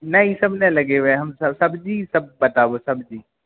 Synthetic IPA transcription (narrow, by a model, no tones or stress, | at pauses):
nɐɦĩsɐbʱnẽlɐɡeʋẽɦɐmsɐsɐbd͡ʒiːsɐb̚ːɐt̪abosɐbd͡ʒiː